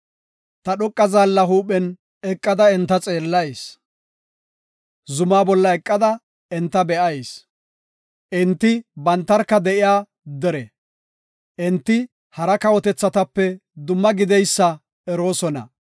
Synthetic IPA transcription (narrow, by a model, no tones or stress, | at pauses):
t̪ɐɗɔkʼːɐzaːlːɐɦuːpɛn | ɛkʼːɐd̪ɐɛnt̪ːɐt͡sʼeːlːɐjs | zʊmaːbɔlːɐɛkʼːɐd̪ɐ | ɛnt̪ːɐbɛʔɐjs | ʔɛnt̪ːɪbɐnt̪ːɐɾkːɐd̪ɛʔɪjaː | d̪ɛɾɛ | ʔɛnt̪ːɪ | hɐɾɐkɐwɔt̪ɛt͡sːɐt̪ɐpːɛd̪ʊmːɐɡɪd̪ɛjsːɐ | ɛɾo̞ːsɔnɐ̰